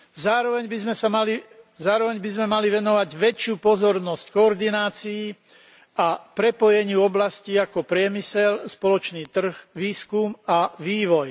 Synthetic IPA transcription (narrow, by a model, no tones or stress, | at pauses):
zaːɾɔʋɛɲbizmɛsamalizaːɾɔʋɛɲbizmɛmaliʋɛnɔʋaɟʋɛt͡ʃɪuːpɔzɔɾnɔsckɔːɾd̪inaːt͡siji | apɾɛpɔjɛɲɪuɔblasciakɔpɾɪɛmisɛlspɔlɔt͡ʃniːt̪r̩xʋiːskumaʋiːʋɔj